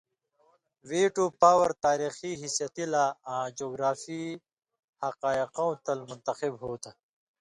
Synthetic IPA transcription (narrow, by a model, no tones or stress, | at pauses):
weːʈopaːwɐɾt̪aːɾiːxiɦɪsjɐt̪ilaãːd͡ʒoːɡɾaːfi | hɐqaːiqãwt̪ɐlmʊnt̪ɐqibɦoːt̪a